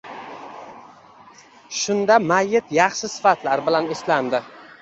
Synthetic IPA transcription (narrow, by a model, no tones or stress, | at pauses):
ʃʊnd̪amajːɪt̪jɑχʃɪsɪ̥fat̪laɾbɪlanɪsland̪ɪ